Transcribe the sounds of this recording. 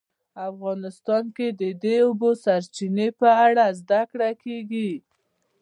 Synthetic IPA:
afɣɑnɪst̪ɑnked̪əd̪eobosaɾt͡ʃinepəaɽazd̪akɽakeɡi

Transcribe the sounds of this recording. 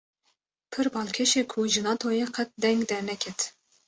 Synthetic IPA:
pʰɨɾbɑlˠkʲʰeʃekʰuʒɨnɑt̪ʰojeqʰɛt̪̚d̪ɛŋɡd̪ɛɾnɛkʲʰɛt̪ʰ

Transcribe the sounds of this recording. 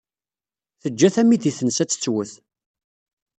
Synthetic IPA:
θəd͡ʒːæθæmːiðiθənsæt͡sːə̥t͡sːwəθ

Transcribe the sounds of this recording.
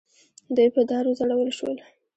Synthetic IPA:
d̪ujpəd̪ɑɾozaɽawəlʃwə̰l

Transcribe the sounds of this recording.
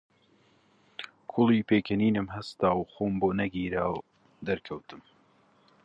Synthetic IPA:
kʰʊlˠiːpeːkʰɐniːnɨmɦɐst̪aːwxoːmboːnɐɡiːɾaːw | d̪ɐɾkʰɐwt̪ʰɨm

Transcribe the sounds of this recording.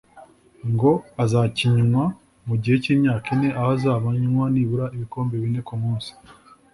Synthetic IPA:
ŋɡo̞azaciɲumwa | muɟihe̞ciːmɲaːkine̞ʔahazaːβaɲunwaniːβuɾaiβiko̞ːmbeβine̞kumuːnsi̥

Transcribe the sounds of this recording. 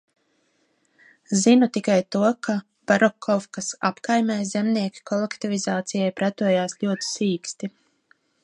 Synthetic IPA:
zinut̪ikajt̪uɔkʰa | b̥aɾɔkʰːɔfkasa̰pkajmʲɛjzʲemniɛkʲi̥kɔlˠekt̪ivizaːt̪sijajpɾæt̪uɔjaːsʎʲuɔt̪i̥siːkst̪i

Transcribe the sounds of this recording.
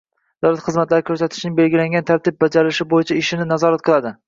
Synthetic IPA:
d̪̥awlat̪χɨzmat̪laɾɪkʰɵɾsat̪ʰɪ̥ʃnɪŋbe̞lɡʲɪlaŋɡʲant̪ʰaɾt̪ʰɪb̚bad͡ʒaɾɪɪʃɪbojɪt͡ʃʰaɪʃɪnɪnazɒɾat̪̚qʰɨlˠad̪ɪ

